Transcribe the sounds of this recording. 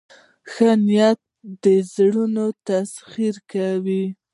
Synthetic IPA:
xənijat̪̚d̪əzɽunot̪asxiɾkawi

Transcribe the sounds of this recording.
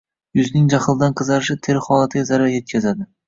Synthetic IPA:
jʊznɪŋd͡ʒaχɨlˠd̪anqʰɨzaɾɪʃɪt̪ʰeɾχɒlˠat̪ʰɪɡʲazaɾaɾje̞t̪̚kʲʰazad̪ɪ

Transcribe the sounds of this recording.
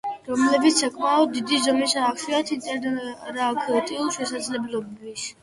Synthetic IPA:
ɾɔmlɛbit̪sʰsakʼmaɔd̪id̪izɔmisaːkʃiat̪ʰiɛdɾaːkʰɔt̪ʼiulˠʃɛsad̪zlɛblɔbis

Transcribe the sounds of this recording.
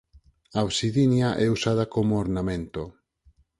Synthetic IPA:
aowsiðinjaʔɛusað̞akomooɾnamẽnt̪o

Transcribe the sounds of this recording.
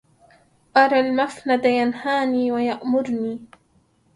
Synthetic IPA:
ʔɑɾˤɑːlmafnad̪ajanhaːniːwajaʔmʊɾniː

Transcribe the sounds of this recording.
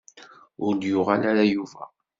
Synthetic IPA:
ʊɾd̪jʊʁalaɾajuvæ

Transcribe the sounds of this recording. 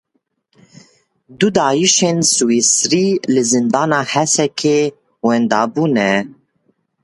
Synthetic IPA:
d̪ud̪ɑːjiʃeːnsuwisɾiːlɨzɨnd̪ɑːnɑːhɛsɛkʰeː | wɛnd̪ɑːbuːnɛ

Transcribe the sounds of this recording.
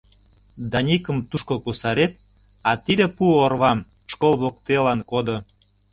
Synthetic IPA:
d̪ɑnʲikə̆mt̪uʃkokusɑɾet̪̚ | ɑt̪id̪epuorβɑm | ʃkolβok̚t̪elɑnkod̪o

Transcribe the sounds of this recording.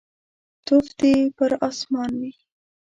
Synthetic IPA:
t̪ofd̪epəɾɑsmɑnwi

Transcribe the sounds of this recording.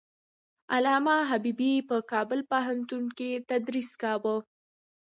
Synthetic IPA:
alɑmɑɦabibipəkɑbəlpəɦant̪unket̪ad̪ɾiskɑwə

